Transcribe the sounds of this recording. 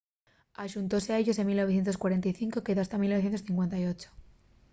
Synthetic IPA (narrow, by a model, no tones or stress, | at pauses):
aʃunt̪o̞seae̞ʝo̞s̬emilnoβθje̞nt̪o̞skwaɾe̞nt̪ajθiŋko̞ke̞ðoast̪amilnoθje̞nosθiŋkwe̞nt̪ajo̞t͡ʃo̥